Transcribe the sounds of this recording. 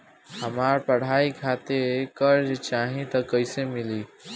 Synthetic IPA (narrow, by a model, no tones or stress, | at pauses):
həmaɾpəɽ̤aːikʰat̪ekəɾd͡ʒt͡ʃaːɦĩt̪əkəɪsemɪliː